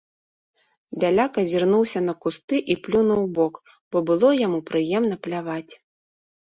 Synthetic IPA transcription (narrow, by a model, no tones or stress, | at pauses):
bʲalʲakɐzʲirnuwsʲɐnɐkust̪ɨʔiplʲunɐwbɔk | b̥ɔbɨlˠɔjamupɾɨjɛmn̪ɐplʲavat͡sʲ